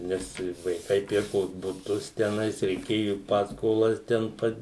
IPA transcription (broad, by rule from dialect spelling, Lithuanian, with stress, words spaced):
ˈnʲɛs ʋɐɪˈkɐɪ ˈpʲɪrkoːs bʊˈtʊs tʲɛˈnɐɪs rʲɛɪˈkʲeːjʊ ˈpɑːskoːlˠɐs ˈtʲɛn pɐt